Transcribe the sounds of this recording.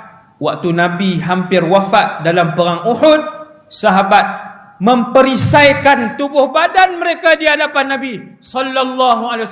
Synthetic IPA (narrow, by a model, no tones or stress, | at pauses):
wak̚t̪unãbiɦampɪrwafat̪̚dalampəɾaŋuhʊd̪̚ | saɦabat̪̚ | mə̃mpəɾisajkant̪ubʊhbadanməɾekadiadapanːabisɔlːalːaɦuale